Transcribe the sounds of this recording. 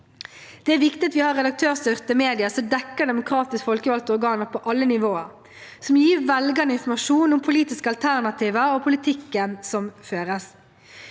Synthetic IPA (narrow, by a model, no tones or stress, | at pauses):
d̪̥ɛæːɾʋɪkt̪ɪɑt̪ʋɪːhɑʁɛd̪ɑk̚t̪ʰøːʁsʏʁt̪əmeːd̪ɪəsɔd̪ɛkːəɖ̪ɛmʊkʰɾɑːt̪ɪskfɔlkəʋɑlt̪ɔʁɡɑːnəʁpʰɔʔɑlːənɪʋoːəɾ | sɔmjiːʋɛlɡɑnəɪnfɔmɑʂuːnʊmpʰʊliːt̪ɪskəɑlt̪ʰæʁnɑt̪ʰiːʋəɾɔpʰʊlɪt̪ʰɪkːənsɔmføːʁəs